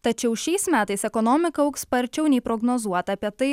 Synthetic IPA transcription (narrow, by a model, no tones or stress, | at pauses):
t̪ɐt͡ʃʲɛʊʃʲɛɪsmʲæːt̪ɐɪsɛkɔnɔːmʲɪkɐɐʊkspɐɾʲt͡ʃʲɛʊnʲɛɪpɾɔɡnoːzuɔt̪ɐːpʲiɛt̪ɐɪ